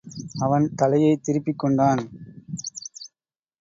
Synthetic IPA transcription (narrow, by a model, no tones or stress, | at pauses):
ɐʋɐnt̪ɐlɐjɐɪt̪ɪɾɪpːɪkːɔɳɖaːn